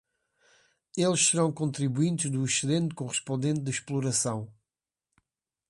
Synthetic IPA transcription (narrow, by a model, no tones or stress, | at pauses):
elˠʃsɨɾɐ̃w̃kõnt̪ɾiβuĩnt̪ʒðuiʃɨðẽnt̪̚kuʁɨʃpõnd̪ẽnt̪̚d̪ɨʃplˠuɾɐsɐ̃w̃